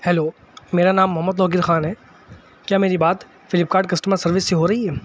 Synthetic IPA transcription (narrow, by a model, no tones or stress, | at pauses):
hɛloː | meːɾanaːmːʊɦəmːəd̪lɔːɡɪɾxaːnɦɛː | kjaːmeːɾibaːt̪ | fɪlɪp̚kaːɾɖ̚kɐsʈəməɾsɐɾʋɪsːeɦoɾɐɦiɦɛː